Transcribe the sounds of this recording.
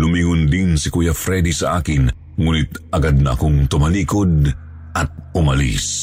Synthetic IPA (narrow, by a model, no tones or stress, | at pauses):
lʊmiːŋʊnd̪insɪkujafɾɛd̪isɐʔaːkɪn | ŋuːnɪt̪ʔɐɡad̪̚nɐʔɐ̰koŋt̪ʊmɐliːkod̪̚ | ʔɐt̪̚ʊmɐlḭs